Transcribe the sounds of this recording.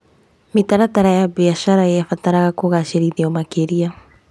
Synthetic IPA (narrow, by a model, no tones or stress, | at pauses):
mit̪aɾat̪aɾajabiaʃaɾaeafat̪aɾaɣakoɣaseɾiðeɔmakeɾia